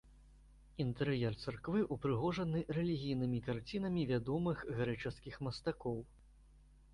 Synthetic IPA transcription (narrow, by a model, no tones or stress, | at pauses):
int̪ɛɾɨjɛrt̪sɐrkvɨʔupɾɨɣɔʐɐnɨrɛlʲiɣʲijnɨmʲikart͡sʲinɐmʲivʲad̪ɔmɨɣɣɾɛt͡ʂɐskʲixmɐst̪akɔw